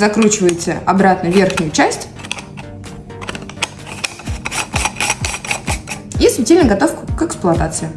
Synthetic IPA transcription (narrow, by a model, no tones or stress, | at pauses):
zɐkɾut͡ɕɪvəjɪt̪sə̰ɐbɾat̪nəvʲe̞rxnʲʊjʊt͡ɕæsʲtʲ | isvʲɪtʲelʲnəɡɐt̪o̞fkʊkɛksplˠʊɐt̪at̪sɨɪ